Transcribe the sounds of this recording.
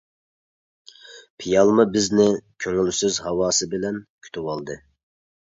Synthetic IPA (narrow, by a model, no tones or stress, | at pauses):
pʰijɑlˠmɨbɪznɪkʲʰøŋylsyzhɑwɑːsɨbɪlɛnkʲʰy̥t̪ʰɪwɑlˠd̪ɨ